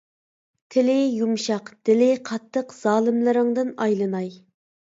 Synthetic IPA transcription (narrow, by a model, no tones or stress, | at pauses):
t̪ʰɪlɪjumʃɑqd̪̥ɪlɪqʰɑt̪ʰːəqz̥ɑːlˠɨmlˠɨɾɨŋd̪ɨnɑjlˠɨnɑj